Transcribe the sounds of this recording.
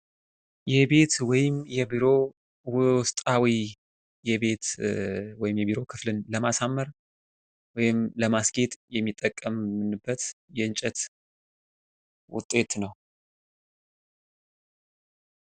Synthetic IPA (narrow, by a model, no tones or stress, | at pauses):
jɛbe̞t̪wɔjɪmjɛbiɾo̞ | wʊst̪ʼawi | jɛbe̞t̪ | wɔjɪmjɛbiɾo̞kʰɨflɨnləmasamːəɾ | wɔjɪmləmasɡe̞t̪ʼjɛmːit̪ʼːəkʼːəmːɨnɨbːət̪jɛɨnt͡ʃʼɛt̪ | wʊ̰t̪ʼːe̞t̪nəw